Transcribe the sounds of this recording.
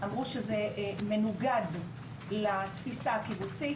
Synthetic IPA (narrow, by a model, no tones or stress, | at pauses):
amʁuʃezeme̞nuɡad̪ | lat̪fisaakibut͡si